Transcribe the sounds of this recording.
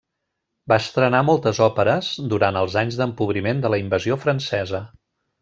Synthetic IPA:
baəst̪ɾənamɔlˠt̪əzɔpəɾəz̥d̪uɾant̪əlˠzaɲzd̪əmpuβɾimend̪ələimbəziofɾənsɛzə

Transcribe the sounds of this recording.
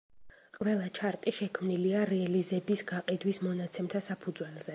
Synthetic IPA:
qʼvɛlˠat͡ʃʰaɾt̪ʼiʃɛkʰmniliaɾɛalizɛbisɡaqʼid̪wismɔnat̪sʰɛmt̪ʰasapʰud̪zwɛlˠz̥ɛ

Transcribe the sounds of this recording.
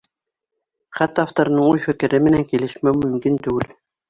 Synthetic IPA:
χæt̪ɑft̪oɾnɤɴujfɘ̆kɘ̆ɾɘmɘ̆næŋkilɘ̆ʃmæmɵ̆mkint̪ʉɡɘl

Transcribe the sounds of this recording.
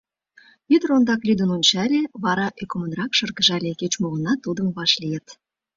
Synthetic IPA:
it̪rond̪ɑklʲyd̪ə̆nonʲt͡ɕælʲeβɑɾɑʔøkomə̆nrɑkʃɤ̆rɣə̆ʒɑlʲeket͡ɕmolə̆nɑt̪ːud̪əmβɑʃlʲijĕt̪

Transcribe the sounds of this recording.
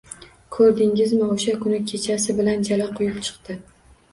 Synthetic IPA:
kʰɵɾd̪ɪŋɪzmɪoʃakʰʊnɪkʲʰe̞t͡ʃʰasɪbɪland͡ʒalaqʰʊjɪpt͡ʃʰɨ̥qt̪ɪ

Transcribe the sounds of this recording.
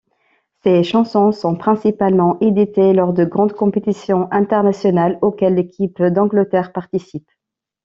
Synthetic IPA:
seʃɑ̃sɔ̃sɔ̃pχɛ̃sipalmɑ̃ʔed̪it̪elɔʁd̪əɡʁɑ̃d̪kɔ̃pet̪isjɔ̃ʔɛ̃t̪ɛʁnasjɔnalokʲɛlːekʲʰipd̪ɑ̃ɡlət̪ɛʁpaʁt̪isip

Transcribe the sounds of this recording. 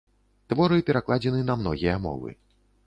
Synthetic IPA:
t̪vɔɾɨpʲɛɾaklˠad͡zʲɛnɨnɐmnɔɣʲijɐmɔ̰vɨ̰

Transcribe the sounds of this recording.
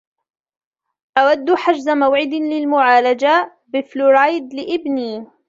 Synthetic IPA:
ʔawad̪ːħad͡ʒzamawʕɪd̪lɪlmʊʕaːlad͡ʒa | bɪflʊɾajd̪lɪʔɪbniː

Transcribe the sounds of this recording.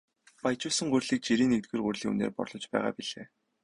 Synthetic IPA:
pajt͡ɕʊːsə̆ŋɢʊrɮiːk̚t͡ɕiɾiːŋnek̚t̪̚ɡɘ̆ːrɢurʲɮiːṵnḛːrpɔ̰rɮɞ̆t͡ɕpæːʁa̰ːpiɮeː

